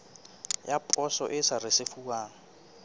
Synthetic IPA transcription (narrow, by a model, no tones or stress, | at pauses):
japʼɔsɔ̰ʔɪsarɪsɪfuaːŋ̩